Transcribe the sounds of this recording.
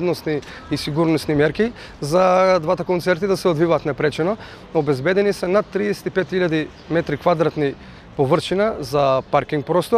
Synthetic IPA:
d̪nosniː | siɡuɾnosnimɛɾki | zad̪vat̪akont̪sɛɾt̪id̪asɛod̪vivaːt̪nɛpɾɛt͡ʃɛno | obɛzbɛd̪ɛnisɛnat̪ːɾiɛsɛ̥t̪ipɛt̪xiʎad̪i | mɛt̪ɾikvad̪ɾat̪ni | povərt͡ʃinazapaɾkʲiŋk̚pɾɔst̪o

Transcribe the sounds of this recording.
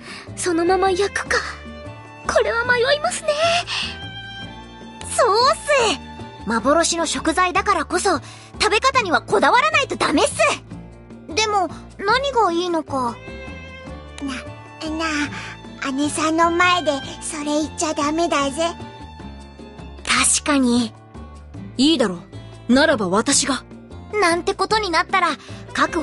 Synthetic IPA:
so̞no̞mamajakɯ̥ka | kʰo̞ɾe̞βamaiβaimasɨne̞ | soːsɨ | mabo̞ɾo̞ɕino̞ɕo̞kɯ̟zaid̪akaɾako̞so | t̪abe̞kat̪aɲ̟iβako̞d̪aβaɾanait̪o̞d̪ame̞sɨ | d̪e̞mo̞ | naɲ̟iɡaiːno̞ka | na | na | ane̞sãnːo̞maed̪e̞so̞ɾe̞it͡ɕːad̪ame̞d̪aze | t̪ʰaɕi̥kaɲ̟i | iːd̪aɾo̞ | naɾabaβat̪aɕiɡa | nãnt̪e̞ko̞t̪o̞ɲ̟inat̪ːaɾakakɯ̟

